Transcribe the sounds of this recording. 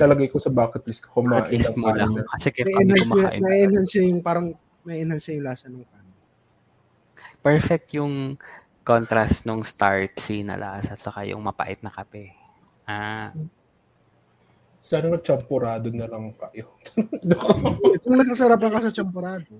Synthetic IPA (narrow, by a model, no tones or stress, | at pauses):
nɐlɐɡɐjkosɐbaːkɛt̪̚list̪̚ko̥kʊmaːʔ̪lisɐt̪molaŋkɐsɛkɐjʔnaʔnɐʔiːʔɪnhansɐjʊŋpaːɾɐŋ | mɐʔiʔɪnhansɐjɪŋlaːsɐnɐŋkaːnɐ | pɛɹfɛk̚t̪jʊŋ | kont̪ɾɐst̪noŋst̪aɹt̪̚sinɐ̰lʔa̰ːsɐt͡ʃɐka̰jʊ̰ŋmɐpa̰ʔɪt̪̚nɐkɐpɛ | ʔaː | sanɐŋɐt͡ʃɐmpoɾaːd̪onɐlɐŋkɐjot̪d̪ʊkoɛkʊŋnɐs̬kɐsɐɾap̬ɐŋkɐsɐt͡ʃɐmpoɾaːd̪o